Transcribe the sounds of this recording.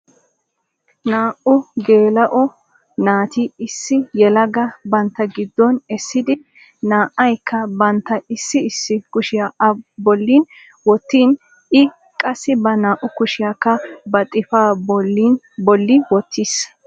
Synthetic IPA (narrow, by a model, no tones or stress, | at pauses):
naːʔʊɡe̞ːlɐʔɔ | naːt̪iɪsːɪjɛlɐɡɐbɐnt̪ːɐɡɪd̪ːɔnɛsːɪd̪ɪ | naːʔɐjkʰːɐbɐnt̪ːɐɪsːɪɪsːɪkʊʃɪjabɔlːiːn | wɔt̪ːiːn | ɪ | kʼɐsːɪbɐnaːʔʊkʊʃɪjakːɐbɐt̪ʼːɪfaː | bɔlːɪwɔt̪ʰːis